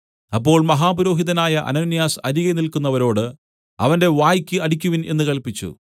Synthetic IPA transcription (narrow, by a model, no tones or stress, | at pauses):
ɐpːo̞ːɭmɐɦaːbuɾo̞ːɦiðɐnaːjɐʔɐ̰nɐːnːijaːsɐɾiɣenilkunːɐʋɐɾo̞ːɽɨ | ɐ̰ʋɐnde̞ʋaːjikʲːɨɐɽik̬ʲːuʋine̞̰nːɨkɐɭpit͡ɕːṵ